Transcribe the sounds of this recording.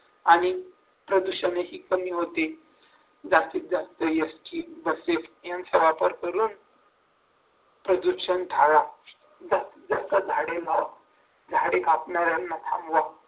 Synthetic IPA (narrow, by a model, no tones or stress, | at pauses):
aɽ̃i | pɾəd̪uɕəneɦiːkəmiɦot̪e | d͡zast̪it̪̚d͡zast̪əjəst͡ɕibəsefjansəʋapəɾkəɾuːn | pɾəd̪ukʂənt̪ʰaɭa | d͡zast̪d͡zast̪əd͡zʱaɽela | d͡zʱaɽeɡʱapnaɾjannat̪ʰamʋa